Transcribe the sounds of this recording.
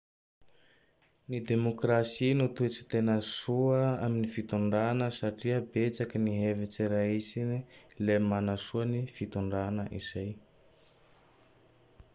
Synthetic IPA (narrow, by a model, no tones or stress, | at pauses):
nid̪emokrasinut̪uet͡si̥t̪enəsuəaminifit̪uɳɖ͡ʐanəsaʈ͡ʂiəbet͡sakiniɦevet͡seɾaisinilemanasuanifit̪uɳɖ͡ʐanəʔḭz̥aj